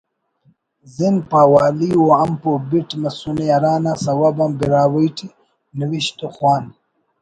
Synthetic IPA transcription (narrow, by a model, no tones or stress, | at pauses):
zinpaːwaːliwoɐmpobiʈmɐsuniaɾaːnasɐwabɐmbiɾaːwəjʈʰi | niwiɕt̪oxwaːn